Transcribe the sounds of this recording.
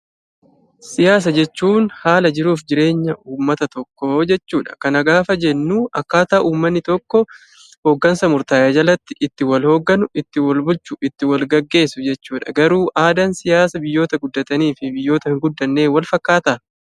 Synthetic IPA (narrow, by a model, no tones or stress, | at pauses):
sɪjaːs̬ɐd͡ʒɛt͡ʃːuːnhaːlɐd͡ʒɪɾuːfd͡ʒɪɾe̞ːɲːɐʔuːmːɐt̪ɐt̪ɔkːod͡ʒɛt͡ʃːuːᶑɐ̥kɐnɐɡaːfɐd͡ʒɛnːuːɐkːaːt̪aːʔuːmːɐnːɪt̪ɔkːɔ | hoːɡːɐnsɐmʊɾt̪aːjɐd͡ʒɐlɐt̪ːɪʔɪt̪ːɪwɐlho̞ːɡːɐnʊɪt̪ːɪwɐlbʊlt͡ʃʊʔɪt̪ːɪwɐlɡɐɡːe̞ːsʊd͡ʒɛt͡ʃːuːᶑɐ̰ɡɐɾuːʔaːd̪ɐnsɪjaːsɐbɪjːo̞ːt̪ɐɡʊd̪ːɐt̪ɐniːfɪbɪjːo̞ːt̪ɐhɪŋɡʊd̪ːɐnːe̞ːwɐlfɐkːaːt̪ɐ